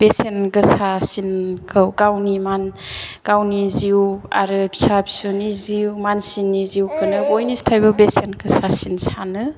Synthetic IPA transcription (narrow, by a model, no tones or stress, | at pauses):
b̥esenɡɯsasinkʰɯwɡawnimanɡ̥awniziwa̰ɾɯbi̥sabi̥suniziwmansinːiziwkʰɯnɯbojnistʰajbɯbesenkʰɯsasinsanɯ